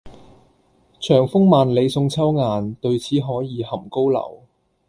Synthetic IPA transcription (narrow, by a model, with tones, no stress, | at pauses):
t͡ʃʰœː˨˩ŋfʊ˥ŋmaː˨nle˨˧jsʊ˧ŋt͡sʰɐ˥wŋaː˨nt̪ɵ˧ɥt͡sʰiː˨˥ɦɔː˨˥jiː˨˧hɐ˨˩mko˥wlɐ̰˨˩w